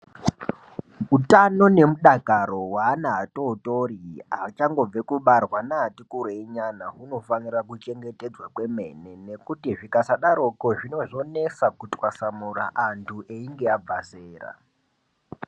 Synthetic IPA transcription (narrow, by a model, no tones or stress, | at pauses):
utano̞ne̞muɗakaro̞waːnaɦato̞toriɦat͡ʃaŋɡo̞b͡vekuɓarwanaːtikuɾoeɲanaɦuno̞fanirakut͡ʃe̞ŋɡe̞te̞d͡zwakwe̞me̞̰ne̞ne̞kutiʐikasaɗaɾokoʐino̞ʐo̞ne̞sakutwasamura̰ʔantʰuʔeiŋɡe̞ab͡vaseːra̰